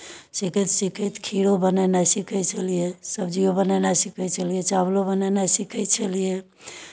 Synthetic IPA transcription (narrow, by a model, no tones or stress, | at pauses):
sikət̪sikʰət̪kʰiɽobənɛnasikʰɛt͡ʃʰəlijesəbd͡ʒiobənɛnasikʰəɛt͡ʃʰəlijet͡ʃablobənɛnasikʰɛt̪̚t͡ʃʰəlije